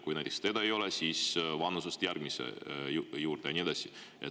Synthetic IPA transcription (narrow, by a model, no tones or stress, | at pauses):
kujnæt̪ʲist̪ed̪̥ɑejo̞lesiːsvɑnːusust̪jærɡ̥misḛjuːɾd̪̥ejɑnʲied̪ɑsi | ʔet̪